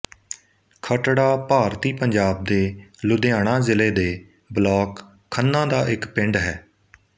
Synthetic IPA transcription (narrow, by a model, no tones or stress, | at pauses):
kʰəʈɽaːpaːɾt̪iːpəɲd͡ʒaːb̚d̪eːlʊd̪ejaːɽ̃ãːzɪleːd̪eː | blɔːkʰː | ənːãːd̪aːʔɪkpɪ̃ɳɖɦɛː